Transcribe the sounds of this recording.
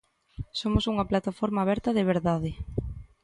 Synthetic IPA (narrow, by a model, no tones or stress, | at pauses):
somʊsuŋɐplat̪afoɾmaːβɛɾt̪ɐðɪβ̞eɾðaðɪ